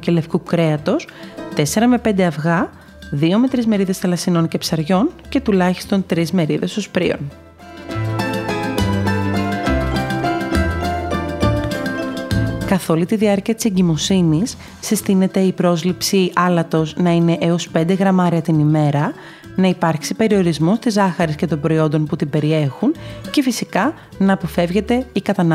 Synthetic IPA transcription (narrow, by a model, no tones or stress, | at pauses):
ce̞le̞fkukɾe̞ɐt̪o̞st̪e̞se̞ɾɐme̞pe̞nd̪e̞ɐvɣɐ | ðio̞me̞t̪ɾizme̞ɾiðe̞sθɐlɐsino̞nce̞psɐɾʝo̞nce̞t̪ulɐçi̥st̪o̞nt̪ɾizme̞ɾiðe̞so̞spɾḭo̞̰n | kɐθo̞lit̪iðiɐɾciɐt̪i̥se̞ɲɟimo̞sinisː | isθine̞t̪e̞ipɾo̞zlipsiɐlɐt̪o̞znɐine̞ʔeo̞spe̞nd̪e̞ɣɾɐmɐɾiɐt̪inime̞ɾɐ | nɐipɐɾksipe̞ɾio̞ɾizmo̞st̪izɐxɐɾesce̞t̪o̞mbɾo̞io̞nd̪o̞nput̪ibe̞ɾie̞xunce̞fisikɐ | nɐːpofe̞vʝe̞t̪e̞ikɐt̪ɐn